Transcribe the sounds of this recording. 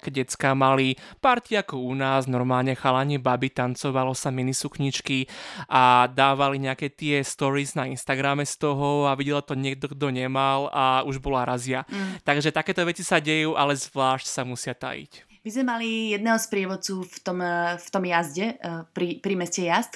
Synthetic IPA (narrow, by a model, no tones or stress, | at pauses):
kɛɟɛt͡skamalipaɾt̪iakɔunaːznɔɾmaːlɲɛxalaɲɛbabit̪ant͡sɔʋalɔsaminisukɲit͡ʃkiʔad̪aːʋaliɲɛakɛt̪ɪɛst̪ɔɾiznainst̪aɡɾamɛst̪ɔɦɔaʋiɟɛlt̪ɔɲɪɛɡ̚d̪ɔɡd̪ɔɲɛmalauʒbɔlaɾazɪat̪aɡʒɛt̪akɛːt̪ɔʋɛt͡sisaɟɛjuːʔalɛzʋlaːʃcsamusɪat̪a̰jḭc | mizmɛmalijɛd̪̚nɛɦɔspɾɪɛʋɔt͡suːft̪ɔmft̪ɔmjazɟɛpɾipɾimɛscɛjast̪